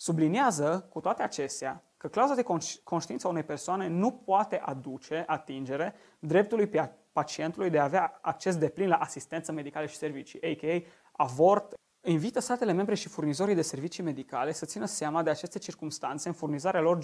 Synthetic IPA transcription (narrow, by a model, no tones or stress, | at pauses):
subliniazəkut̪oat̪e̞at͡ʃe̞st̪ea | kəklauzad̪ekkʰo̞nʃt̪int̪saunejpe̞rsoane̞nupoat̪e̞ʔad̪ut͡ʃe̞ʔat̪ind͡ʒe̞ɾe̞ | d̪ɾe̞p̚t̪ulujpe | pat͡ʃie̞nt̪ulujd̪eaːveaːk̚t͡ʃe̞s̬d̪e̞plinlaʔasist̪ent̪səme̞d̪ikaləʃi̥se̞rvit͡ʃḭʔejkej | avo̞rt̪ | invit̪əst̪at̪e̞le̞me̞mbɾe̞ʃifurnizo̞ɾijd̪e̞se̞rvit͡ʃime̞d̪ika̰le̞sət̪sinəseamad̪e̞at͡ʃe̞st̪e̞t͡ʃirkumst̪ant̪se̞ɨnfurnizaɾealo̞r